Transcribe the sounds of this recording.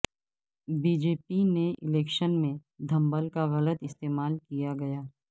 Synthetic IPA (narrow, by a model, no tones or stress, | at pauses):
biːd͡ʒeːpineʔɪlɛːkʃənmẽd̪ʱɐ̃mbəlkaɣɐlət̪ɪst̪eːmaːlkijaɡɐjaː